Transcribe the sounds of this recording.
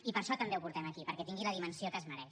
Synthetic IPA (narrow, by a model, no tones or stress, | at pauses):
ipəɾʃɔt̪əmbewpuɾt̪ɛməkipəɾkɛt̪iŋɡiləðimənsiokəzməɾɛʃ